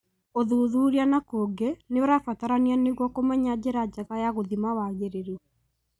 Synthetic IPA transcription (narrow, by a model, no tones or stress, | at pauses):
oðuðuɾianakoɡeneaɾafataɾanianeɣwɔkomɛɲad͡ʑeɾad͡ʒaɣajaɣoðimawaɣeɾeɾɔ